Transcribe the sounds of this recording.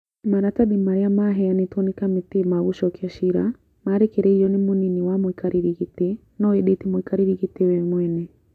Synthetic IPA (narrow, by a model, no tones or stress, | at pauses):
maɾataɗimaɾɛamaɦɛanitwɔnikamitimaɣuʃɔkiaʃiɾa̰ | maɾɛkɛɾɛijɔnimuniniwamwikaɾiɾiɣite | nɔɛɗetimuikaɾiɾiɣitewɛmwɛnɛ